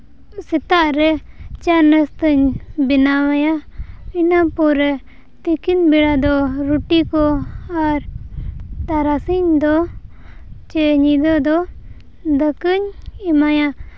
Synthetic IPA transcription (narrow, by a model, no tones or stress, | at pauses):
sɛt̪aʔɾɛt͡ʃanəst̪əɲbinamajainapɔɾɛ | t̪ikinbiɽad̪ɔɾuʈikɔaɾ | t̪aɾasiɲd̪ɔ | t͡ʃɛɲid̪ɔd̪ɔ | d̪əkəɲimaja